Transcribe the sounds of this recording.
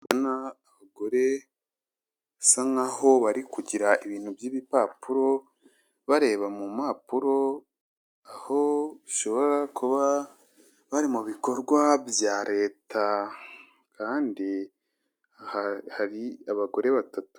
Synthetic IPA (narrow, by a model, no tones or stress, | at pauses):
βanaː | βaɡo̞ɾe̞ | saŋaho̞βaɾikuɟiɾaiβiːn̥hubjiːβipaːpuɾo̞ | βaɾe̞ːβamumaːpuɾo̞ | aho̞βiʃo̞βo̞ɾakuβa | βaɾimuβiko̞ɾɡwabjaːɾe̞ːtʰa | kaːndi | hahaɾiaβaɡo̞ɾe̞βatatu̥